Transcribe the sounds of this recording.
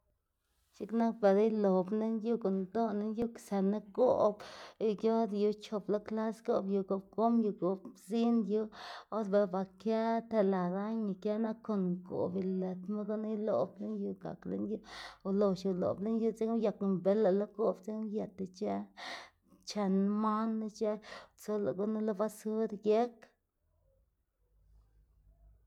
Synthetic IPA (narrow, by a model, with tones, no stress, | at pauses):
ʃi˦kna˦k̚pa˨ɾa˦jlo˨ble˦nju˦ko˨nd̪o˦ne˦nju˦ksa˨na˦ɡo˨bɡjo˦d̪ju˧t͡ʃo˧blo˦kla˦sɡo˧bju˧ɡo˧bɡo˦mju˧ɡo˨bzi˦nju˧o˦d̪ba˧ba˧kja˦t̪a˧la˨ɾa˦ɲi˧˨kja˦na˦kkːo˧ŋɡo̰˨bi˨le˨t̪ma˦ɡo˦na˦jlo˨ble˦nju˧ɡa̰˨klḛ˦nju˦u˧lo˨ʃu˨lo̰˨ble˦nju˦t͡se˦ja˨kmbe˨˦la˨lo˦ɡo˨bt͡se˦je˨t̪a˧t͡ʃe˦ | t͡ʃa˧n˦ma˦nːa˦t͡ʃe˦t͡so˦la̰˨ɡo˦na˦lo˦ba˦su˦ɾje˦k